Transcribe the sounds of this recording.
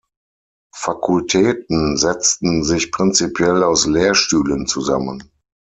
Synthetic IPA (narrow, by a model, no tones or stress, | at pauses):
fakʰʊltʰɛːtn̩zɛt͡stn̩zɪçpʁ̥ɪnt͡sipʰjɛlaʊslɛːɐʃtyːlənt͡suza̰mən